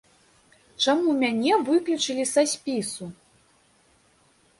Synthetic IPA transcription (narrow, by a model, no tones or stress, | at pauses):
t͡ʂamumʲanʲɛvɨklʲut͡ʂɨlʲisasʲpʲisu